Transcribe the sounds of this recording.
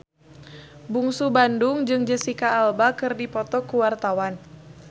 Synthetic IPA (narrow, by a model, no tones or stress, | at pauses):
buŋsubandʊŋd͡ʒɨŋd͡ʒəsikaːlbakɨrdipɔt̪ɔkuwart̪awan